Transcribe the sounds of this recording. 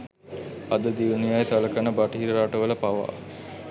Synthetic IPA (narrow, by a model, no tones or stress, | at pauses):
ɐd̪əd̪iʋnijajsɐləkənəbaʈiɦiɾəɾaʈəʋələpaʋa̰ː